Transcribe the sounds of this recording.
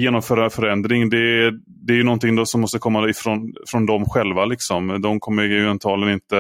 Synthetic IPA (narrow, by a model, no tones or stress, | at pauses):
jeːnɔmfœːɾafœɾɛnd̪ɾɪŋd̪ɛ | d̪ɛæɾjɵnɔnt̪ɪŋːd̪ɔsɔmːɔst̪əkʰɔmːaɪfɾɔnfɾɔnd̪ɔmɧɛlvalɪksɔmd̪ɔmkʰɔmːəjmɛnt̪ʰɑːlənɪnt̪ə